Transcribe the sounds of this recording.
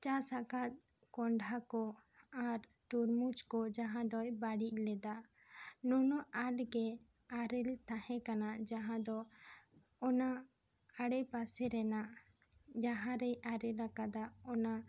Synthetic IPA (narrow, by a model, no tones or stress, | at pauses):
t͡ʃasakat̪̚ | kɔɳɖʱakɔ | aɾ | ʈuɾmut͡ʃkɔd͡ʒaɦãd̪ɔjbaɽiʔ̚lɛd̪a | nɔnɔʔaʈɡɛ | aɾɛlt̪ahɛ̃kanad͡ʒaɦãd̪ɔ | ɔna | aɽɛpasɛɾɛnaʔ | d͡ʒaɦãɾɛjaɾɛlɾakad̪aɔna